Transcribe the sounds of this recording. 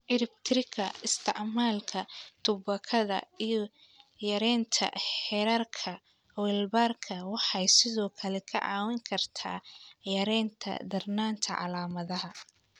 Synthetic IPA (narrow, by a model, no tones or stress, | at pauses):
ʕɪɾɪb̚t̪ʰɪɾɪkʰɐɪst̪ʰɪ̰ʕmaːlkʰɐt̪ʰʊbɐkʰɐðɐ̰ijɞ | jɐɾɛːnt̪ʰɐ̰ħħɛɾɐrkʰɐ | wɛlbarkʰɐwɑħɑjsɪðɔːkʰɐlɛkʰɐ̰ʕɑ̰ːwɪŋkʰɐrt̪ʰa̰ːjɐɾɛːnt̪ʰɐ̰d̪ɐrnaːnt̪ʰɐʕɑ̰laːmɐðɐɦɐ